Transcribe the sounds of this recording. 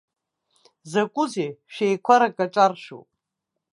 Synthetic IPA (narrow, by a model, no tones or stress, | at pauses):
zakʷʼʊzeʃejkʷʰaɾakʼat͡ʃʼarʃṵpʼ